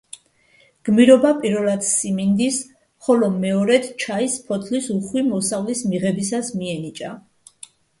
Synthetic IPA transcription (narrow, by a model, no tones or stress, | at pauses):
ɡ̥miɾɔbapʼiɾvɛlˠad̪simind̪is | χɔlɔmɛɔɾɛt̪t͡ʃʰaispʰɔt̪ʰlisuχwimɔsavlismiʁɛbisasmiɛnit͡ʃʼa